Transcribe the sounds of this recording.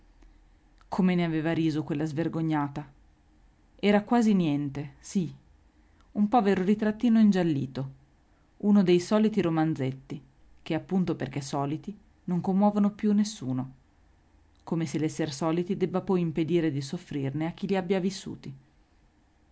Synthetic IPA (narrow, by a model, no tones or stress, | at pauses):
kʰomeneaveːvaɾiːzokwelːazverɡoɲːaːt̪a | ɛːɾakwaːzinjɛnt̪esi | umpɔːveɾoɾit̪ɾat̪ːiːnoind͡ʒalːḭːt̪o | unod̪ejsɔːlit̪iɾomand̪zet̪ːi | k̟eapːunt̪operk̟esɔːlit̪i | noŋkomːwɔːvonopjunːesːṵːno | komeselːɛsːersɔːlit̪id̪ɛbːapɔjimped̪iːɾed̪isofːɾirneak̟ːiliabːjavisːṵːt̪i